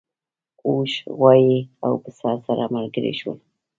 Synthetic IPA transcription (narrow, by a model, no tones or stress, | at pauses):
uʃwajia̰wpəsɑsaɾamalɡəɾḛʃwə̰l